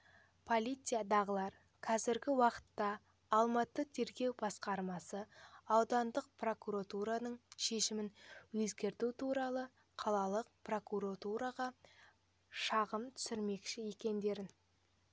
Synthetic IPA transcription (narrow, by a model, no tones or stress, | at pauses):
pʰo̞lʲijt̪sɨjad̪ɑʁəlˠɑɾ | qʰɑzɪɾɡʲɪwɑqə̥t̪ːɑː | lˠmɑt̪ət̪ʰe̞ɾɡʲe̞wbɑsqɑɾmɑsəɑwd̪ɑnd̪əq̚pʰro̞kuɾat̪uɾanəɴʃe̞ʃɪmɪnwɵzɡʲe̞ɾt̪ut̪ʰuɾɑlˠə | qʰɑlˠɑlˠəqpro̞kuɾat̪uɾɑʁɑ | ʃɑʁəmt̪ʰʏ̥sɪɾme̞kʃɪje̞kʲe̞nd̪e̞ɾɪn